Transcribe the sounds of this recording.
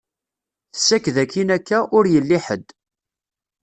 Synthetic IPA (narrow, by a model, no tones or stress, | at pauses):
θə̥sːækðækːinækːæʔʊɾjəlːiħə̰d̪